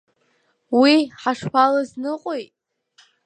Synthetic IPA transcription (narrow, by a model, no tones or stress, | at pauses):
wiħaʂpʰalaznɨqʼojtʼ